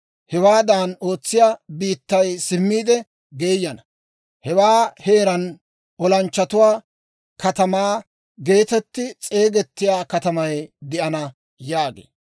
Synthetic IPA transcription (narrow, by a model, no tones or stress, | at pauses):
hɛwaːd̪aːno̞ːt͡sːɪjaːbiːt̪ːɐjsɪmːiːd̪ɛ | ɡeːjːɐnɐ | hɛwaːhe̞ːɾɐn | ʔɔlɐnt͡ʃːɐt̪ʊwaː | kɐt̪ɐmaː | ɡe̞ːt̪ɛt̪ːɪt͡sʼe̞ːɡɛt̪ːɪjaːkɐt̪ɐmɐjd̪ɪʔɐnɐ | jaːɡḛː